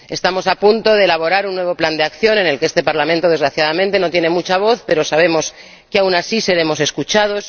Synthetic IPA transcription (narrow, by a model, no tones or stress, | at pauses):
est̪amo̞sapunt̪o̞ðe̞ːlaβ̞o̞ɾaɾunːwe̞β̞o̞pland̪eakθjo̞ne̞ne̞lkeest̪e̞paɾlamẽnt̪o̞ð̞ezɣɾaθjaðamẽnt̪e̞no̞t̪je̞ne̞mut͡ʃaβ̞o̞θpe̞ɾo̞saβ̞e̞mo̞s | keawnasise̞ɾe̞mo̞se̞skut͡ʃað̞o̞s